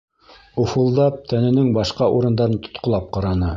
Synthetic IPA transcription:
ofulˠd̪ɑp̚t̪ʰænɘ̆nɘŋbɑʃqɑʔuɾɤ̆nd̪ɑɾɤnt̪ŏ̥t̪qŏlˠɑp̚qɑɾɑnɤ

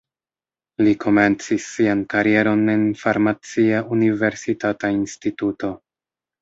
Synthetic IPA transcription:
likʰo̞me̞nt͡sisːiankaɾie̞ɾo̞ne̞nfaɾmat͡siaʔunive̞ɾsitatainstituto̞

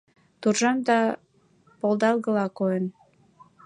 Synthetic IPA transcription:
t̪urʒɑmd̪ɑ | polˠd̪ɑlˠɣəlɑkojen

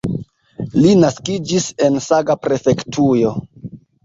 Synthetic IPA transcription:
linaskid͡ʒise̞nsaɡapɾe̞fe̞ktʰujo̞

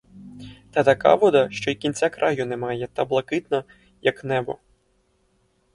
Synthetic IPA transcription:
t̪ɐt̪ɐka̰ʋɔd̪ɐʃt͡ʃɔikʲint͡sʲakɾʔajʊnɛmɑjɛt̪ɐblˠɐkɪt̪nɐ | jɐknɛbɔ̰

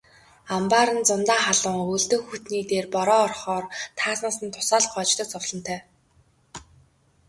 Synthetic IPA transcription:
ampaːɾə̆nt͡sʊnt̪aːχaɮə̆ŋuɮt̪ɵ̆ːxut̪niːt̪eːrpɔɾɔːrχɔːrt̪ʰaːsnaːsə̆nt̪ʰʊ̥saːɮχɔːt͡ɕt̪ə̆k̚t͡sʊwɮɞ̆nt̪ʰœː

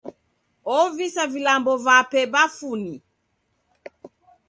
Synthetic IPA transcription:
ɔvisavilambɔvapɛbafuni

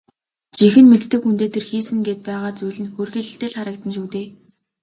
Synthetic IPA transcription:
t͡ɕixɘ̆nmet̪ːɘ̆kxunt̪eːt̪ʰerxiːsɘ̆ŋɡeːt̪̚pæːʁaːt͡sujɮɘ̆nxorxiːɮɘ̆ɬt̪eːɮχaɾə̆k̚t̪ə̆nʃuːt̪eː

